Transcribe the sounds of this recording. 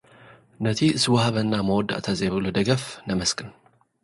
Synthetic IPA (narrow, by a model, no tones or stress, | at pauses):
nət̪ʰiɨsɨwahaβənːaməwɔd̪ːa̰ʔt̪ʰazeβbɨlod̪əɡəfnəməskʼɨn